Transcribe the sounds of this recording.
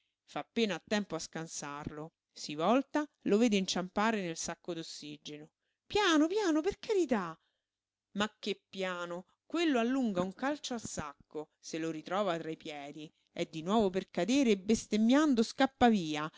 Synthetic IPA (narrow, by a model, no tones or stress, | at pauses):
faːpːeːnaːt̪ːɛmpoaskansarlo | sivɔlt̪aloveːd̪eint͡ʃampaːɾenelsakːod̪osːid͡ʒeno | pjaːnopjaːnoperkaɾit̪a | makːepːjaːno | kwelːoalːuŋɡauŋkalt͡ʃoalsakːo | seloɾit̪ɾɔːvat̪ɾaipjɛːd̪i | ɛd̪ːinwɔːvoperkad̪eːɾeːbest̪emːjand̪oskapːaviːa